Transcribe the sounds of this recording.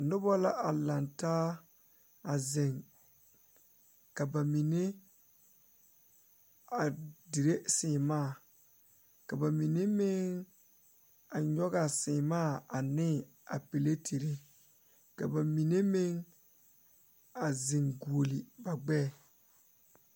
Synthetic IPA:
nʊ˦bɔ˦la˦ʔa˨la˨ntaː˦ | a˨ze˨ŋ | ka˨ba˨mi˨ne˦ | a˨di˨ɾe˦sɪː˨maː˦˨ | ka˨ba˨mi˨ne˦mɪ˦ŋ | a˨ɲɔ˦ɣa˨sɪ˨maː˦˨a˨nɪ˦ | a̰˨pe˨le˦tʰe˨ɾe˦ | ka˨ba˨mi˨ne˦mɪ˦ŋ | a˨zɪ˨ŋɡu˨o˨li˨ba˨ɡ͡bɛ˦˨

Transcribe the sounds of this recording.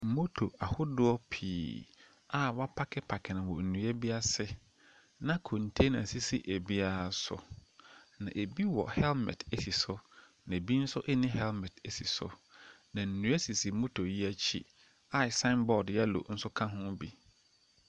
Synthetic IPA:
mo˦tʰo˨a˨hʊ˦dʊ˦ɔ˦pʰiː˨ | a˨wa˦pʰa˦kʰɛ˦pʰa˨kʰɛ˨nɪ̃˨wɔ̰˨n̩˨nũ˨˦ɛ˦bi˦a˦sɪ˦ | nã˦kʰõ˨n̩˨tʰe˦nã˨si˦sḭ˦ʔe˨bi˦a˨sʊ̰˨ | nã˨ʔe˨bi˦wɔ̰˨hɛ˦lmɛ̰̃˨tʰe˦si˨sʊ˦ | nã˨e˨bi˦n̩˦sʊ˦ʔɛ˦nɪ̃˦ɦɛ˦lmɛ˨tʰe˨si˨sʊ̰˨ | nã˨n̩˨nũ˨˦ɛ˦si˨si˨mo˦tʰo˨ji˦æ˦t͡ɕʰḭ˦ | a˦˨sã˦nbɔ˨djɛ˦lo̰˨n̩˦sʊ˦kʰã˦ɦʊ̃˦bi˨

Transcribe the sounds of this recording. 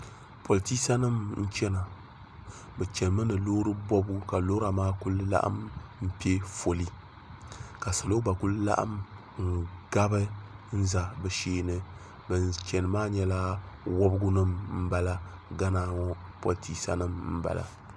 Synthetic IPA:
pʰo˨lti˦sa˦nɨ˦mn̩˦t͡ʃɛ˦na˨ | bɛ˨t͡ʃɛ˨n˨mɨ˦nɨ˨lo˦ɾɨ˦bɔ˦bu˦ka˨lo˦ɾa˨maː˦kʊ˦lla̰˦ʔa̰˦mm̩˦pi˦e˦fo˨li˦ | ka˨sɨ˨lo˦ba˨ku˦lla̰˦ʔa̰˦m | ŋ̩˦˨ɡa˦bɨ˦n̩˦za˨bɛ˨ʃeː˦nɨ˦ | bɨ˨nt͡ʃɛ˨nɨ˨maː˦ɲɛ˦la˦wɔ˦bɨ˦ɡʊ˦nɨ˦mm̩˦ba˨la˦ɡa˦naː˨˦ŋɔ˦po˨ltʰi˦sa̰˦nɨ˦mm̩˦ba̰˨la̰˨

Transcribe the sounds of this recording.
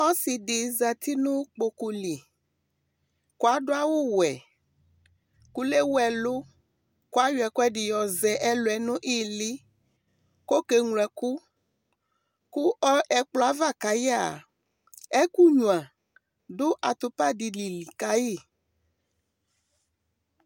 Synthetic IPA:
ɔ˦si˨ɖɪ˨za˨t̪i˦nũ˦k͡po˨ku˨li˨ | ko˦a˦ɖo˦a˦wo˦wɛ˨ | ku˦le˦wɛ˨lo˦ | ko˦a˦jʊ˨ɛ˨ku˦ɛ˦ɖi˨jɔ˨zɛ˨ʔɛ˦lo˨ɛ˨nʊ̃˦ʔi˦li˦ | ko˦ke˨ŋlɛ˨ku˦ | ku˦ɔ˦ʔɛ˨k͡plɔ˦a˨va˦˨ka˨ja˦˨ | ɛ˦ku˦ɲũ˨ã˨ | do˦ʔa˨t̪o˨pa˦di˨li˨li˨ka˦ji˦˨

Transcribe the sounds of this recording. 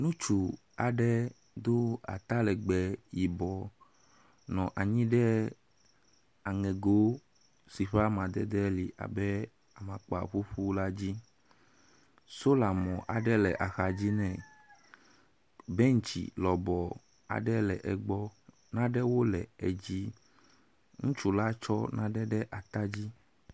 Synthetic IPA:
nũ˦t͡ʃu˨ | a˨ɖɛ˦ | d̪o˦a̰˨t̪a˦lɛ˨ɡ͡bɛ˨ji˨bɔ˨ | nɔ̃˨ʔa˨ɲĩ˦ɖɛ˦ | a˨ŋɛ̃˨ɡo˦ | si˨ɸa˦mã˨d̪ɛ˦d̪ɛ˦li˨ʔa̰˨bɛ˦ | a˨mã˨k͡pa˨ɸu˦ɸu˦la˦d͡ʑi˦ | so˦la˨mɔ̃˨ʔa˨ɖɛ˦lɛ˨ʔa˨xa˨d͡ʑi˦nɛ̃˨ | bɛ˦ŋ̩˨t͡ɕḭ˨lɔ˨bɔ˨ | a̰˨ɖɛ˦lɛ˨ʔɛ˨ɡ͡bɔ˦ | nã˦ɖɛ˦wo˦lɛ˨e˨d͡ʑi˦ | ŋũ˦t͡ʃu˦la˦t͡ʃɔ˦nã˦ɖɛ˦ɖɛ˦ʔa˨t̪a˦d͡ʑi˦

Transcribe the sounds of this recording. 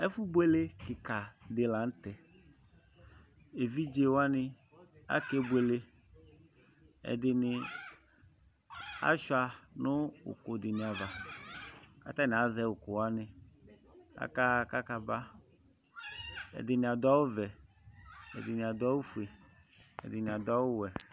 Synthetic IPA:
ɛ˦fu˦bwe˦le˦kɪ˨ka˨d̪ɪ˨la˨n̩˦t̪ɛ˨ | e˨vi˦d͡ʒe˦wo˦a˦nɪ˦ | a̰˦ke˦be˨le˦ | ɛ̰˨d̪ɪ˨nɪ˨ | a̰˦ʃa˨nʊ̃˦wṵ˨ko˨dɪ˨nĩ˨a˨va˨ | ka̰˦t̪a˦nɪ̃˨a˨zɛ˦wo˨ko˨wa˦nɪ̃˨ | ka̰˦ka˦ka˦ka˦ba˦ | ɛ̰˨d̪ɪ˨nɪ̃˨a˨d̪ɔ˦wo˦vɛ˨ | ɛ̰˨d̪ɪ˨nɪ̃˨a˨d̪ɔ˦wo˦fu˨e˨ | ɛ̰˨d̪ɪ˨nĩ˨a˨d̪ɔ˦wʊ˦wɛ˨

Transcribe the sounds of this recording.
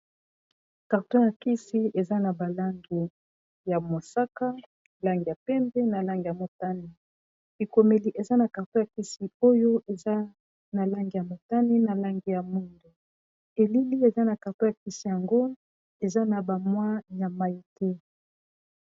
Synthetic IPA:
ka˨ʁto˦ja˨ki˦si˦e˨za˦na˨ba˨la˦ŋɡi˨ | ja˨mo˨sa˦ka˦˨ | la˦ŋɡi˨ja˨pɛ˦mbɛ˦na˨la˦ŋɡi˨ja˨mo˨ta˦ni˨ | bi˨ko˨me˨li˨ʔe˨za˦na˨ka˨ʁto˦ja˨ki˦si˨o˦jo˦e˨za˦ | na˨la˦ŋɡi˨ja˨mo˨ta˦ni˦na˨la˦ŋɡi˨ja˨mu˦ndo˨ | e˨li˦li˦e˨za˦na˨ka˨ʁto˦ja˨ki˦si˦ja˨ŋɡo˦ | e˨za˦na˨ba˨mwa˦ja˨ma˦i˦tɛ˦

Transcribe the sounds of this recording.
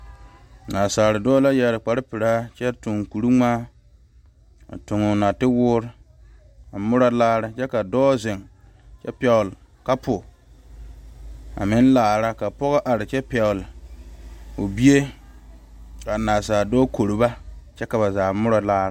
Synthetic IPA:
naː˨saː˨ɾɪ˨dɔː˦la˦jɛ˨ɾɪ˨k͡pa˨ɾɪ˦pɪ˨ɾaː˦t͡ʃɛ˦tʊ˨ŋ˨ku˨ɾu˦ŋ͡maː˦ | a̰˨tʊ˨ŋʊ˨na˨tɪ˦wʊː˦ɾ | a˨mʊ˦ɾa˦laː˦ɾɪ˨t͡ʃɛ˦ka˨dɔː˦zɪ˨ŋ | t͡ʃɛ̰˦pɛ˨ʊ˨l | ka˦pʰʊ˨ | a̰˨mɪ˦n˦laː˨ɾa˦ka˨pɔ˦ɣa˦ʔa˨ɾɪ˨t͡ʃɛ˦pɛ˨ʊ˨lɪ˨ | o˨bi˦e˦ | ka˨naː˨saː˨dɔː˦kʰo˨ɾu˨ba˦t͡ʃɛ˦ka˨ba˨zaː˨mʊ˦ɾa˦laː˦ɾɪ˦˨

